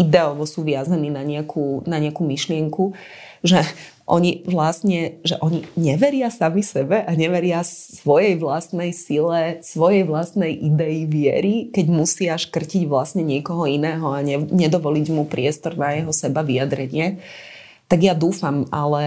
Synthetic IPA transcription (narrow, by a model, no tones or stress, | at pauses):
id̪ɛɔʋɔsuːʋɪazaniːnaɲɪakʰuːnaɲɪakumiʃlɪɛŋku | ʒɛ | ʔɔ̰ɲiʋlasɲɛʒɛʔɔɲiɲɛʋɛɾɪasamisɛbɛʔaɲɛʋɛɾɪasʋɔjɛjʋlast̪nɛjsilɛsʋɔjɛjʋlast̪nɛjʔid̪ɛiʋɪɛ̰ɾikɛɟmusɪaʃkr̩ciɟʋlasɲɛɲɪɛkɔɦɔinɛːɦɔaɲɛɲɛd̪ɔʋɔliɟmupɾɪɛst̪ɔɾnajɛɦɔsɛbaʋijad̪ɾɛɲɪɛ | t̪aɡjad̪uːfamalɛ